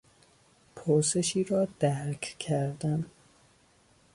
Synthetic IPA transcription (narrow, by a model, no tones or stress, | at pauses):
pʰoɾse̞ʃiːɾɒːd̪æɾkʰkʰæɾd̪æm